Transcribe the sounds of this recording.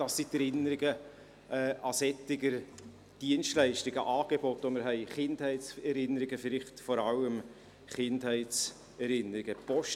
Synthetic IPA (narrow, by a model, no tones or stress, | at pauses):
d̥ɑsitɛɾɪnəɾɪɡə | ɛːɑsɛtːɪɡəɾ | d̥iənʃtlɛɪʃtɪɡəʔɑːɡ̥ebɔtʋomɪɾɦɛɪχɪndhɛɪsɛɾɪnəɾɪɡəfɪɾɪχtfɔɾɑləm | χɪnthɛɪtt͡s | ɛɾɪnəɾɪɡ̥əpɔʃ